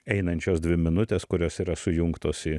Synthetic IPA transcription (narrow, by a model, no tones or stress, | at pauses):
ɛɪnɐnʲt͡ʃʲoːsd̪ʲʋʲɪmʲɪnʊt̪ʲeːskʊɾʲoːsiːɾɐsʊjʊŋkt̪oːsɪ